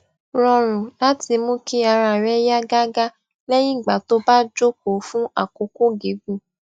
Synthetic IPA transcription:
ɾɔ̃˧ɾ̃ũ˨la˨˦ti˧˦mõ˦ki˦a˧ɾa˨ɾɛ˦ja˦ɡa˦ɡa˦ | lɛ˦j̃ĩ˦˨ɡ͡ba˨to˦ba˦d͡ʒo˦k̚o˨fũ˦a̰˦˨ko˨˦ko˦ɡe˨˦ɡu˦˨

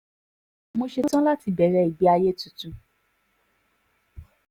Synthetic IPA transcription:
mo˧ʃe˧˦tã˦la˦ti˧bɛ˨˦ɾɛ˧˦i˨bi˨˦a˧je˦tu˨tu˨˧

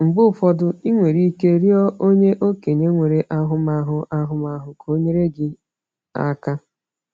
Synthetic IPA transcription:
ŋ͡m̩˨ɡ͡bʊ˦˨fɔ˦dʊ˦i˦ŋʷe˨ɾi˦ke˦ɾi˦ɔ˦ʔo˦ɲe˦ʔo˦ke˨ɲe˦ŋʷe˨ɾe˨ʔa˦ɦʊ˦ma˨ɦʊ˦ʔa˦ɦʊ˦ma˨ɦʊ˨kʰo˦ɲe˦ɾe˦ɡɪ˦ | a̰˦ka˦

